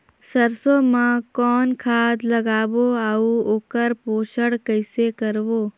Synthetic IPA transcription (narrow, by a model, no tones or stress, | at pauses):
səɾsomãkɔːnkʰaːd̪lɐɡaːʋoaːuoːkəɾpoːʃəɽkəɪsekəɾʋoː